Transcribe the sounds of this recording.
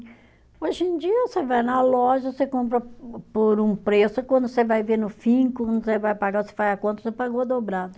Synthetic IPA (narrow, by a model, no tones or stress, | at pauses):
oʒẽd͡ʒiɐsevajnɐlɔʒɐsekõmpɾɐpoɾũpɾesʊkwɐ̃nd̪ʊsevajveɾnʊfĩkɐ̃nd̪ʊsevajpaɡaose̥vajɐkõnt̪ɐsepaɡoɐd̪obɾad̪ɐ